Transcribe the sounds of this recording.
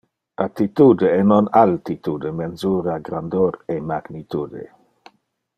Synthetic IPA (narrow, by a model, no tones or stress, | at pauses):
at̪it̪ud̪eɛnonalt̪it̪ud̪emenzuːɾaɡɾand̪oɾemaɡnit̪uːd̪ḛ